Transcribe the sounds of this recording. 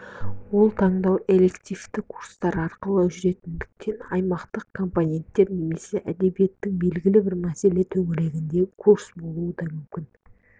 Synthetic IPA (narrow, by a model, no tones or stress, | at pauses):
wo̞lˠt̪ʰɑɴd̪ɑwe̞le̞kt̪ʲijft̪ɪkʰu̥ɾst̪ɑɾɑɾqəlˠəʒʏɾe̞t̪ɪnd̪ɪk̚t̪ʰe̞nɑjmɑqt̪əq̚kʰo̞mponʲe̞nt̪ːe̞ɾne̞me̞se̞ʔæd̪e̞bije̞t̪ːɪŋbe̞lɡʲɪlɪbɪɾmæse̞le̞t̪ʰɵŋɪɾe̞ɡʲɪnd̪e̞kʰuɾsbo̞lˠuəd̪ɑmʏmkʲɪn